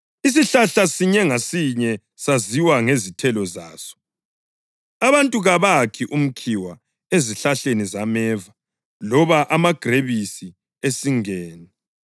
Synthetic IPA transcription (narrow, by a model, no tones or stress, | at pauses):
is̬iɬaɬasiɲɛŋasiɲɛ | saziwaŋezitʰɛlɔza̰ːsɔ̥ | aβantʼuɣaβakʰiʔum̩kʰiwa | eziɬaɬenizamɛːva | lɔβaʔamaɡ̥ʱreβisi | esiŋɛːnɛ